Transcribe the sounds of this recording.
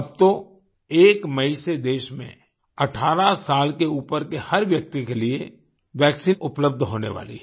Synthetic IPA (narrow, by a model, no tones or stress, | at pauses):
ɐb̚t̪o | eːkmɐised̪eːʃmḛ̃ | ɐʈʰaːɾasaːlkeuːpəɾkehɐɾʋjɐk̚t̪ikelie | ʋjɛːksiːnʊpləb̚d̪ʱɦoːnḛʋa̰ːlḭɦ